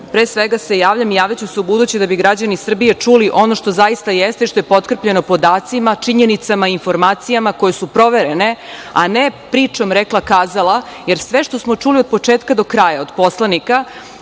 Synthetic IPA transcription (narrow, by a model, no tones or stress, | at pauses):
pɾeːsʋeɡase̞jaːʋʎamijaːʋʎat͡ɕuseubud̪ut͡ɕed̪abiɡɾad͡ʑanisr̩bijet͡ʂuliʔo̞no̞ʃt̪o̞zajist̪ajest̪e̞iʃt̪o̞jepo̞t̪kr̩pʎe̞no̞po̞d̪aːt̪simat͡ʃiɲe̞nit̪samaiinfo̞ɾmaːt̪sijamako̞jesupɾo̞ʋeɾene̞a̰nepɾiːt͡ʃo̞mɾeklˠakaːzalˠaje̞ɾsʋe̞ʃt̪o̞smot͡ʂulio̞d̪̚po̞t͡ʂeːt̪kad̪o̞kɾaːjao̞d̪po̞slˠanika